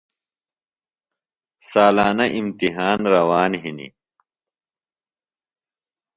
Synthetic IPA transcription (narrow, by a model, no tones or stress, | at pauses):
saːlaːnɐʔimt̪iɦaːnɾɐwaːnɦinḭ